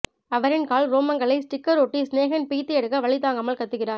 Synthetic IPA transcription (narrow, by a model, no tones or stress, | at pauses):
ɐʋɐɾɪnkaːɭɾoːmɐŋɡɐɭɐɪsʈɪkːɐɾoːʈːisneːɣɐnpiːt̪ːɪjɐɽɯkːɐʋɐɭɪt̪ːaːŋɡɐmɐlkɐt̪ːɯɣɪraːɾ